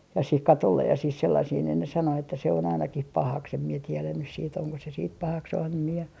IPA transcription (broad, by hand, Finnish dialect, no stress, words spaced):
jɑ sih kɑtolːej jɑ sih selːɑsih niːn ne sɑno etːæ se on ɑinɑkih pɑhɑks em mie tielæn nys siːt oŋko se siːt pɑhɑks em mie